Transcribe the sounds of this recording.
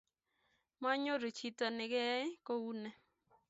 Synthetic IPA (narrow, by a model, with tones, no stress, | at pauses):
ma˦ɲo˦ɾo˨t͡ʃi˦ta˨nɪ˨ɡɛ˦ɪ˦ko˦u˦nɛ˦